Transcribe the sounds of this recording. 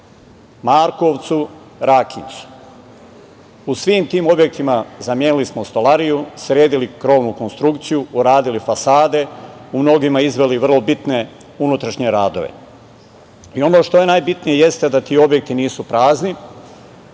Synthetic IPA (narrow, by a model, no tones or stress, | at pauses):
maːɾko̞ʋt̪su | ɾakint̪su̥ | usʋiːmt̪iːmo̞bje̞k̚t̪imazamjeːnilismost̪olaɾijusɾje̞ːd̪ilikɾo̞ːʋnuko̞nst̪ɾukt̪sijuːɾaːd̪ilifasaːd̪e̞umno̞ɡimaizʋe̞liʋr̩lˠo̞bit̪ne̞ | unut̪ɾaʃɲe̞ɾaːd̪o̞̰ʋḛ | io̞noːʃt̪o̞je̞najbit̪nije̞je̞st̪e̞d̪at̪iːo̞bje̞k̚t̪iniːsupɾaːzni